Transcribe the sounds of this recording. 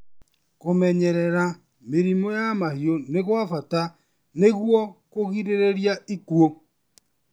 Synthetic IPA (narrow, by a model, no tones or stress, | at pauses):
komɛɲɛɾɛɾa | meɾimojamahioneɣwafata | neɣwɔkoɣiɾeɾeɾjaikuo